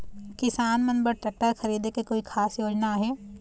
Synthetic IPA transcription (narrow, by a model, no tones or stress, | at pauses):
kɪsaːnmɐ̃nbəɾʈɐʈːəxɐɾiːd̪ekekoːikʰaːsjoːd͡ʒnaɦɛː